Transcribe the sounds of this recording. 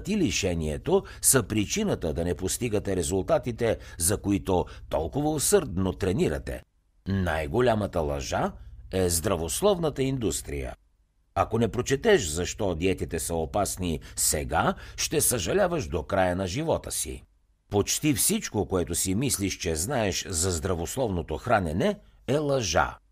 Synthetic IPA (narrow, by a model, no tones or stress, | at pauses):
t̪iliʃɛniɛt̪o | səpɾit͡ʃinət̪əd̪ɐnɛpost̪iɡət̪ɛɾɛzulˠt̪at̪it̪ɛzɐkoit̪ot̪ɔlˠkovəosɤɾd̪not̪ɾɛniɾɐ̰t̪ɛ̰ | najɡolʲamət̪əlˠɐ̰ʒaɛzd̪ɾɐvoslˠɔvnət̪əind̪ust̪ɾḭjə̰ | ɐkonɛpɾot͡ʃɛt̪ɛʃzɐʃt̪ɔd̪iɛt̪it̪ɛsəopasnisɛɡaʃt̪ɛsɐʒɐlʲavɐʃd̪okɾajənɐʒivɔt̪əsḭ | pot͡ʃt̪ifsit͡ʃkokoɛt̪ʊsimisliʃt͡ʃɛznaɛʃzɐzd̪ɾɐvoslˠɔvnot̪oxɾanɛnɛɛlˠɐʒa̰